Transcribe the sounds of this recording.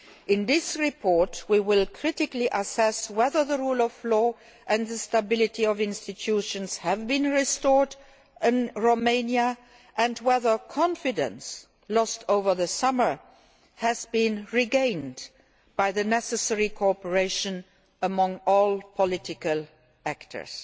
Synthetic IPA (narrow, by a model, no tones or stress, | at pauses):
ʔɪ̃nðɪsɹipʰɔɹtwiwɪlˠkʰɹ̥ɪtɪkliʔəsɛswɛðə˞ðəɹulɔvlɔ | ʔɨ̃nðəstəbɪlɨtiʌvɪ̃nstɨtʰuʃə̃nz̥həvbĩnɹɪstɔɹd | ɪ̃nɹoʊmẽɪ̃njə | ʔɨ̃ndwɛðə˞kʰɑ̃nfɪdə̰̃ns | lɔstʰoʊvə˞ðəsʌmə˞ | hɨzbĩnɹiɡẽɪ̃nd | b̥aɪðɨnɛsəsɛɹikʰɔpə˞eɪʃə̃n | əmʌ̃ŋɔlˠpʰəlɪtɪkəlˠ | æktʰə̰˞s